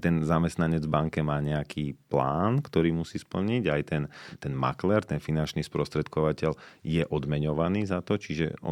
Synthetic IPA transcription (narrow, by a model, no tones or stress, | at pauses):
t̪ɛnzamɛst̪naɲɛd͡zvbaŋkɛmaːɲɛakʰiːpla̰ːnkt̪ɔɾiːmusiːspl̩ɲiɟajt̪ɛnt̪ɛnma̰klɛɾt̪ɛnfinant͡ʃniːspɾɔst̪ɾɛt̪kɔʋacɛljɛʔɔd̪mɛɲɔʋaniːzat̪ɔt͡ʃiʒɛ̰ɔ̰